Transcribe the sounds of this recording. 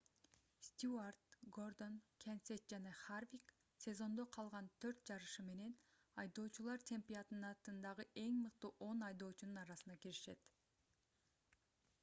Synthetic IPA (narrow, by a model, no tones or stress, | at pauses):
sʲt̪ʲuart̪ɡo̞rd̪o̞nkʲʰensʲet̪̚d͡ʒɑnɑχarvʲik | sʲe̞zo̞nd̪o̞qʰɑlˠʁɑnt̪ʰø̞ɾt̪̚d͡ʒɑɾɯʃɯme̞ne̞n | ɑjd̪o̞ːt͡ʃulˠɑɾt̪ʲʰe̞mpʲiat̪ɯnnɑt̪ɯnd̪ɑʁɯʔe̞ŋmɯqt̪uʔo̞nɑjd̪o̞ːt͡ʃununɑɾɑsɯnɑkiɾiʃe̞̰t̪